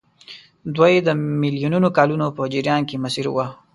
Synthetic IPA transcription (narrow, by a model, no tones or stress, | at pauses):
d̪wajed̪əmɪlijununokɑlunopəd͡ʒiɾjɑnkemasiɾwa